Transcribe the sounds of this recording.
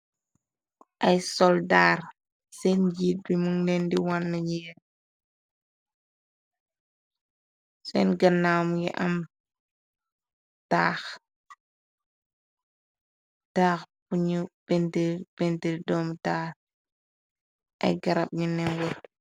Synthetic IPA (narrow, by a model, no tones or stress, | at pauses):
ʔɐjsɔldaːr | sɛnd͡ʒiːt̚bimuŋnɛndiwanːɐɲi | sɛnɡɐnːaːwmjḭʔɐm | taːx | taːxpuɲupɛntepɛntədɔːmtaːr | ʔɐ̰jɡɐɾɐp̚ɲunɛnwɔt